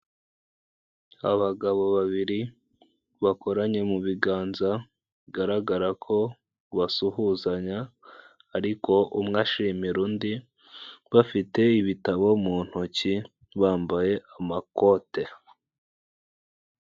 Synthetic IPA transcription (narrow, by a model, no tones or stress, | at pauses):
a̰βaɡaβo̞βaβiɾi | βako̞ɾaɲe̞muβiɡaːnza | βiɡaɾaɡaɾakʰo̞ | βasuɦuzaɲaː | ɾiko̞ʔumŋaʃimiɾuːndi | βafite̞iβitaβo̞muːn̥huci | βaːmbaje̞ʔamakote